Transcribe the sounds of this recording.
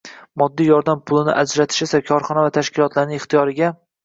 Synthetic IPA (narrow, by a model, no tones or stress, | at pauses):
mɒd̪ːijɒɾd̪ampʰʊlˠɪnɪ̰ʔad͡ʒɾat̪ʰɪ̥ʃɪsakʲʰɒɾχɒnavat̪ʰaʃkʲɪlˠɒt̪ʰlaɾnɪŋɪχt̪ʰijɒɾɪɡʲa